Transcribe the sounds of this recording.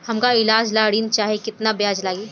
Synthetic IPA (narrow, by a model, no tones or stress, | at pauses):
hɐmkaɪlaːd͡ʒlaːɽiːnt͡ʃaːɦekɪt̪nabjaːd͡ʒlaːɡiː